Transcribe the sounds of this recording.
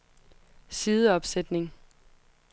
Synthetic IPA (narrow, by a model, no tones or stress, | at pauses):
siːðˠəɒ̽b̥sed̥ne̝ŋ